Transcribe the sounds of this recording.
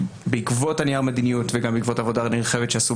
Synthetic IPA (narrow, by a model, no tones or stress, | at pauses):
beikvo̞tanijaʁmed̪inijutveɡambeikvo̞tavodaʁniʁχevetʃeasu